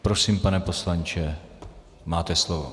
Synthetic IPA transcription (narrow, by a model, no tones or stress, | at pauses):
pɾosiːmpanɛposlant͡ʃɛ | maːt̪ɛslovo̰